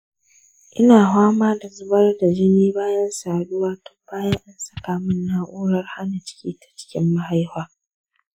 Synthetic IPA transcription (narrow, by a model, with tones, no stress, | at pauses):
ʔɪ˦naː˨ɦaː˦maː˦da˨zʊ˦bɐ˦rda˨d͡ʒɪ˦niː˦baː˦jɐ˦nsaː˨ɗʊ˦waː˦tɔ̥˦baː˦jɐ˦ŋʔa˦nsɐ˦˨kaː˨mɪ˦nːaː˦ʔʷuː˦ɽɐ˦rha˦na˨t͡ʃɪ̥˦kʲiː˦tḁ˨t͡ʃɪ̥˦kʲɪ˦mːa˦ha˦jhʷaː˦